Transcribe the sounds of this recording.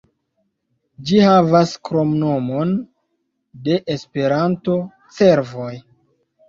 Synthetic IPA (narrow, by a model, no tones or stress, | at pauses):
d͡ʒihavaskɾo̞mno̞mo̞n | de̞ʔespe̞ɾanto̞ | t͡se̞ɾvo̞j